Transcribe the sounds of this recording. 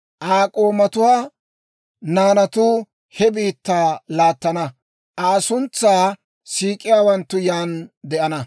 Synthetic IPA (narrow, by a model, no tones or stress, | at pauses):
ʔaːkʼoːmɐt̪ʊwaː | naːnɐt̪uː | hɛbiːt̪ːaːlaːt̪ːɐnɐ | ʔaːsʊnt͡sːaː | siːkʼɪjaːwɐnt̪ːʊjaːnd̪ɛʔɐnɐ